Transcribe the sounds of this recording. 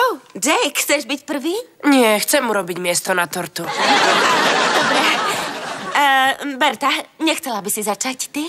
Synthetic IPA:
od͡ʒɛjkxt͡sɛʒbicpr̩ʋiːɲɪɛxt͡sɛmuɾɔbiɟmɪɛst̪ɔnat̪ɔɾt̪u | d̪ɔbɾɛ | bɛɾt̪aɲɛxt͡sɛlabisizat͡ʃact̪i

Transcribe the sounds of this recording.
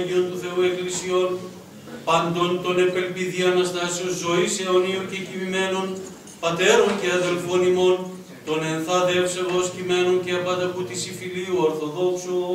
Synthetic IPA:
ʝiont̪uθe̞ue̞klisio̞n | pɐnd̪o̞nt̪one̞pe̞lpiðiɐnɐst̪ɐsionzo̞iseoniocecimime̞non | pɐt̪e̞ɾo̞nceɐðe̞lfonimo̞n | t̪o̞ne̞nθɐðepseɣoscime̞nonceɐpɐd̪ɐput̪isifiliuoɾθo̞ðo̞ksu

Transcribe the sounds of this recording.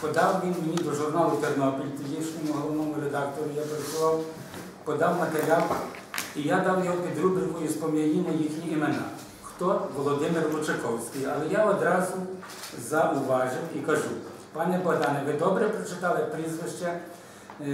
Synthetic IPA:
pɔd̪ɑwʋʲinmenʲid̪ɔʒʊrnɑlˠʊt͡ʃɛrnɔpʲɔlʲt̪ɔjiʃnʲɔmʊɦɔlˠɔnɔmʊɾed̪ɑkt̪ɔɾʊjapeɾsʊʋˠɑw | pɔd̪ɑwmɐt̪eɾʲɑp | ijad̪ɑwjɔɦɔpʲid̪ɾubɾʲɪʋɔjʊspɔmʲjɐjʲinʲɐjixnʲiimenɑ̰ | xt̪ɔʋɔlˠɔd̪ɪmɪrlʊt͡ʃekɔwsʲkʲɪjɐ̰lˠɛjaɔd̪ɾɑzʊ | zɐʔʊʋɑʒɪwikɐʒu | pɑnɛbɔɦd̪ɑnɛʋɪd̪ɔbɾɛpɾɔt͡ʃɪt̪ɑlˠɪpɾizʋɪʃt͡ʃɛ

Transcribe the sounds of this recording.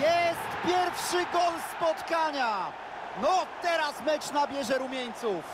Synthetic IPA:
jɛst̪pʲjɛɾfʂɘɡɔnspɔt̪kaɲa | nɔt̪ɛɾasmɛt͡ʂnabʲjɛʐɛɾumʲjɛɲt̪suf

